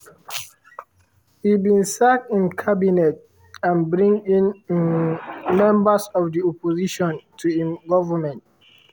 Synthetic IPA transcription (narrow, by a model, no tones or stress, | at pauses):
hibĩnsak̚ĩnkʰabinɛt | ãnbɹĩŋĩn | mɛ̃mbəsɔfdiɔpoziʃɔ̃ntʰuĩnɡɔvəmɛ̃nt̚